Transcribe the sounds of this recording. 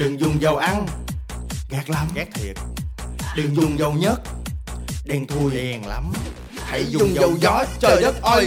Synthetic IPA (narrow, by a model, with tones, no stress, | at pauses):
ɗɨ˨˩ŋzʊ˨˩ŋ͡mzə˨˩wʔa˧ŋ | ɣaː˨˩k̚laː˨˧˩mɣaː˦˥k̚t̪ʰi˨˩ət̚ɗɨ˨˩ŋzʊ˨˩ŋ͡mzə˨˧˩wɲə˦˥t̚ | ɗɛ˧ŋt̪ʰu˧jʔɛː˨˧˩ŋla̰˨˦m | h̪ʰa˨˧˦jzʊ˨zʊ˨˧˩ŋ͡mzəzə˨˩wzɔ˨˦t͡ɕəː˨˩ə˦˥t̚ʔə˧˩